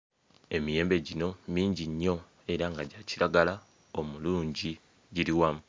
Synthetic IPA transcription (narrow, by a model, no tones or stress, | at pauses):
e̞mije̞ːmbe̞ɟino̞miːɲɟiɲːo̞ | e̞ɾaŋɡaɟaciɾaɡala | omuluːɲɟi | ɟiɾiwamu